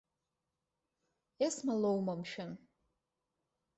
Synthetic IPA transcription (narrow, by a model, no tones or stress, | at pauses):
esmalowmamʃᶣan